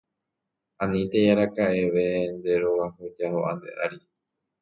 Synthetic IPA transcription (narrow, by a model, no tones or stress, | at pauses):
ãnĩt̪ejaɾakaʔeʋend̪e̞ɾo̞wahod͡ʒahoʔa̰nd̪ḛʔaɾi